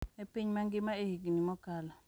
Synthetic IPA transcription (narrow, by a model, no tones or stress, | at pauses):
epiɲmaŋɡɪmaehiɡnimɔkala